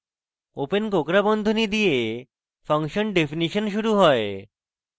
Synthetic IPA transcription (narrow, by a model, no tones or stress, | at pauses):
openkokɾabɔnd̪ʱonid̪ie | fʰʌŋkʃɔnɖefiniʃonʃuɾuɦɔe